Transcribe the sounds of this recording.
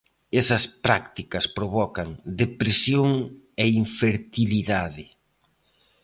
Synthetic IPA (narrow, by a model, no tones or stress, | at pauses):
ɛsɐspɾakt̪ikɐspɾoβɔkɐŋd̪epɾesjoŋeiɱfeɾt̪iliðaðɪ